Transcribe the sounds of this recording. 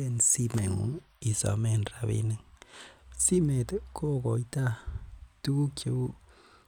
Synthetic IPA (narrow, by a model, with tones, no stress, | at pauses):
e˦˨n˨si˦me˨ŋṵ˨˦ŋ | i˨sɔ̰˨me˦˨nra˨βḛ˦ne˨ŋ | si˦me˨tkʰo˦˨kɔ˨i˦ta˦tu˦ku˦kʰe˨u˦